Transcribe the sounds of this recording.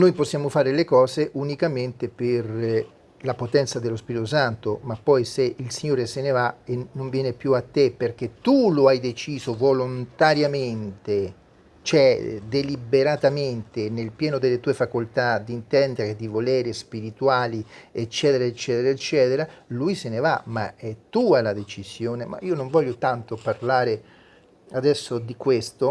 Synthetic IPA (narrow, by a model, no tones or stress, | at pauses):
nojposːjaːmofaːɾelekɔːzeʔunikament̪eper | lapot̪ɛnt̪sad̪elːospiɾit̪osant̪omapːɔjseilsiɲːoːɾesenevaenːoɱvjɛːnepjuat̪ːeperk̟et̪ːuloajd̪et͡ʃiːzovolont̪aɾjament̪e | t͡ʃɛd̪elibeɾat̪ament̪enelpjɛːnod̪elːet̪uːefakolt̪ad̪int̪ɛnd̪eɾed̪ivolɛːɾespiɾit̪uaːliet͡ʃːɛːt̪eɾaet͡ʃːɛːt̪eɾaet͡ʃːɛːt̪eɾaluːjsenevamaɛt̪ːuːalad̪et͡ʃizjoːnema̰ʔiːonoɱvɔʎːot̪ant̪oparlaːɾe | ad̪ɛsːod̪ikwest̪o